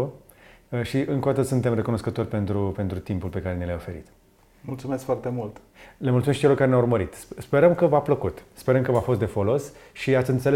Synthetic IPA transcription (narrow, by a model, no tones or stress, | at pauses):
ʃiʔɨŋkod̪at̪əsunt̪e̞mre̞kuno̞skət̪o̞rʲpe̞nt̪ɾupe̞nt̪ɾut̪impulpe̞kaɾe̞niljaofe̞ɾḭt̪ | mult̪sumeskfoart̪emult̪ | lemult̪uesʃit͡ʃelokaɾenʲaurməɾit̪spe̞ɾəmkəvapləkut̪speɾəmkəvafo̞st̪d̪e̞folo̞sʃiat̪sʲɨnt̪se̞le